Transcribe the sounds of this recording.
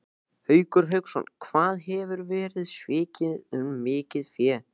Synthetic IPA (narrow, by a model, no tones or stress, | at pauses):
hœːɥkʏɾ̥ɦœɥksɔ̰nkʰvaːðɦɛvʏɾvɛːɾɪðsvɪːcɪnɪðʏmːɪːcɪðfjɛː